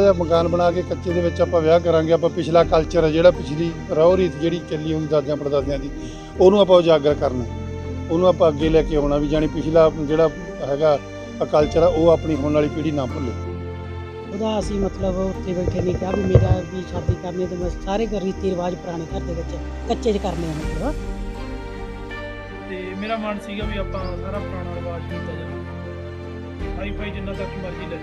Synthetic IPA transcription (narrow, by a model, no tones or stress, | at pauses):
d͡ʒaːməkaːnbəɽ̃aːkeːkətːt͡ʃʃeːd̪eːʋɪt͡ʃapãːʋjaːk̬əɾãːɡeːəp̬ãːpɪt͡ʃʰlaːkəlt͡ʃəɾɛːd͡ʒeːɽaːpɪt͡ʃʰliː | ɾaoːɾiːt̪ʰd͡ʒeːɽiːt͡ʃəliːoːd̪iːd̪aːd̪ãːpəɾd̪aːd̪ãːd̪iː | oːnũːaːp̬ãːoːd͡ʒaːɡəɾkəɾnɛː | oːnũːaːpãːəɡeːlɛːkeːɦoːɽ̃aːʋiːd͡ʒaːɽ̃iːpɪt͡ʃʰlaːd͡ʒeːɽaː | ɦɛːɡaː | kəlt͡ʃəɾaːʔoːaːpɳiːɦoːnaːliːpiːɽiːnãːpʊleː | oːd̪aːəsĩːmət̪ləbʊt̪ʰːeːbeːkʰːeːnĩːk̪aːbiːmeːɾaːbiːʃʰəɾd̪iːkəɾneaːt̪emɛ̃ːsaːɾeːɡəɾniːt̪ʰːeːɾəʋaːd͡ʒpəɾaːɽ̃eːkəɾd̪eːbɪt͡ʃː | kətːʃeːt͡ʃkəɾneːaːmət̪ləbaː | t̪eːmeːɾaːmaɳsiːɡaːbiːaːpãːsaːɾaːpəɾaːɽ̃aːɾʋaːd͡ʒkind̪aːd͡ʒaː | sʰaːiːpʰaːiːd͡ʒɪnd̪ãːd̪akʰiːmaːɾkiːlɛː